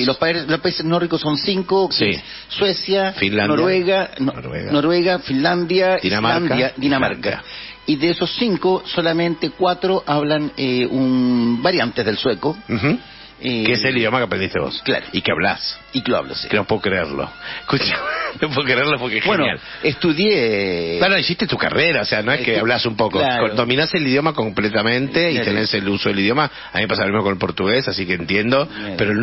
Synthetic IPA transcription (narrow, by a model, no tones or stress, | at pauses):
lospalospaiseznorikosːonsiŋkoses | swesjafinlanoɾwweɣanɾwḛɣnoɾweɣafinland̪jad̪inamaaɾnd̪jad̪inama̰ɾka | iðeesosːiŋkosolamẽnt̪ekwat̪ɾoʔaβlaneunbaɾjant̪ezðelsweko | ekeeseliðjomakeapɾend̪ist̪eβo̰skla̰ɾoikeaβla̰s | ikloa̰βlo̰skenopweokɾeḛɾlo̰ehkut͡ʃanopweɣokɾeeɾlofokexenja̰l | est̪uðjeanoisiht̪et̪uka̰reɾaoseanoeskeaβlasumpokolakond̪o̞mĩnaseliðjo̞mako̞mplet̪amẽnt̪eit̪eneselusoðeliðjo̞ma | amimepas̬almimokonelpo̞ɾt̪uɣesasikeːnt̪jend̪o̞peɾo